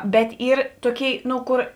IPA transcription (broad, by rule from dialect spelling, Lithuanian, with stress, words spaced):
ˈbʲɛt ˈiːr ˈtoːˌkʲeːɪ ˈnʊ ˈkoːr